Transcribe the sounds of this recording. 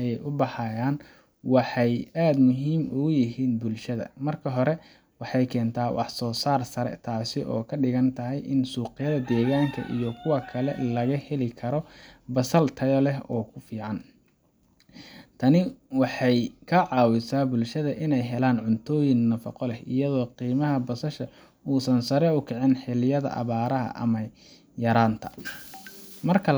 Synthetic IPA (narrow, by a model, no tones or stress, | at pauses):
ɐjɛjʔʊbɑħɑjaːn | wɑħɑjaːd̪mʊɦiːmʊʊjɪɦiːnbʊlʃɐðɐ̰mɐrkʰɐɦɔɾɛ | wɑħɑjkʰɛːnt̪ʰaːwʔɑ̰ħsɔːsaːrsɐɾɛ̰t̪ʰaːsɪʔɔ̰ːkʰɐɖɪɣɐnt̪ʰɐɦɛjʔɪnsuːqɪjɐðɐd̪ɛːɣaːŋkʰɐ̰ʔḭjɔkʰʊwɐkʰɐlɛ̰lɐɣɐhɛlɪkʰɐɾɔbɐsɐlt̪ʰɐjɔlɛɦɔːkʰʊfiːʕɑn | t̪ʰɐnɪwɑħɑjkʰɐʕɑːwɪsaːbʊlʃɐðɐʔɪnɛjɦɛlaːnʕʊnt̪ʰɔːjɪnnɐfɐ̰qɔlɛhɪ̰jɐðɔːqiːmɐɦɐbɐsɐʃɐ | uːsɐnsɐɾɛʊkʰɛʕɪnħɪlɪjɐðɐ̰ʔɐ̰βaːɾɐɦɐ̰ʔɐ̰mɐ | jɐɾaːnt̪ʰɐ | mɐrkʰɐ